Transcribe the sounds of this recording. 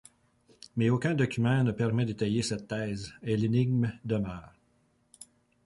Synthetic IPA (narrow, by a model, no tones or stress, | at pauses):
mɛokʲɛ̃d̪ɔkʲymɑ̃nəpɛʁmɛd̪et̪ajesɛt̪ːɛːzɛlenɪɡ̚md̪əmœːʁ